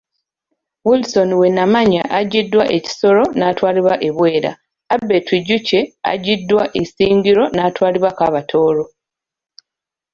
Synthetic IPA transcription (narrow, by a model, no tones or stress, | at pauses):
wulso̞niwe̞nːamaɲaʔaɟidːwaʔe̞ci̥so̞ɾo̞naːtwaːliβwaʔe̞βwe̞ːɾa̰ | abːetwiɟuce̞a̰ɟidːwaʔesiːɲɟiɾo̞naːtwaːliβwakaβatʰo̞ːɾo̞